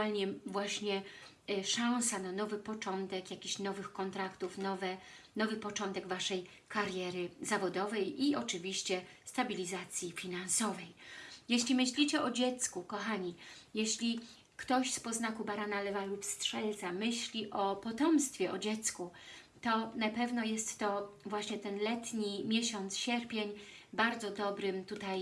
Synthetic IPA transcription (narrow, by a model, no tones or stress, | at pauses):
alɲɛvwaɕɲɛ | ʂãw̃sananɔvɘpɔt͡ʂɔnt̪ɛkjakʲiɕnɔvɘxkɔnt̪ɾakt̪ufnɔvɛnɔvɘpɔt͡ʂɔnt̪ɛɡvaʂɛj | kaɾjɛɾɘzavɔd̪ɔvɛjiɔt͡ʂɘvʲiɕt͡ɕɛst̪abʲilʲizat̪sʲjifʲinañsɔvɛjjeɕlʲimɘɕlʲit͡ɕɛʔɔd͡ʑɛt̪skukɔxaɲijɛɕlʲi | kt̪ɔɕspɔznakubaɾanalɛvalupstʂɛlt̪samɘɕlʲiʔɔpɔt̪ɔmst̪fʲjɛʔɔd͡ʑɛt̪sku | t̪ɔnapɛvnɔjɛst̪ːɔvwaɕɲɛt̪ɛnlɛt̪ɲimʲjɛɕɔnt̪sɕɛɾpʲjeɲbaɾd̪zɔd̪ɔbɾɘmt̪ut̪aj